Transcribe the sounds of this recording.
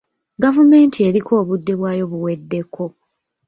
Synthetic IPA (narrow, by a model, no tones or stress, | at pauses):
ɡavume̞ːntʰie̞ɾikʰo̞ːβudːe̞βwaːjo̞βuwe̞dːe̞kʰːo̞